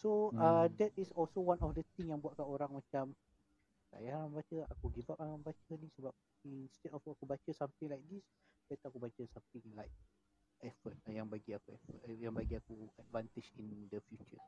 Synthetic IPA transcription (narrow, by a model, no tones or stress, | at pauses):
soədɛt̚isɔlsowanɔfdət̪ĩŋjaŋbuat̚kanoɾaŋmat͡ʃam | la̰jaaambat͡ʃəakuɡivap̚anambat͡ʃənĩsəbap̚ | inst̪ɛdɔfakubat͡ʃəsamt̪ɪŋlajk̚dis | bat̪uakubat͡ʃəsamt̪ɪ̃ŋlajk̚ | ɛfət̚jaŋbaɡiakuɛfə̰tjaŋbaɡiakuad̚vant̪id͡ʒindəfjut͡ʃə̰